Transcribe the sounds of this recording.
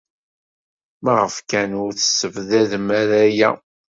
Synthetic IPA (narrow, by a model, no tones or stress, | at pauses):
mæʁəfkænʊɾθə̥səvðæðmæɾæjæ̰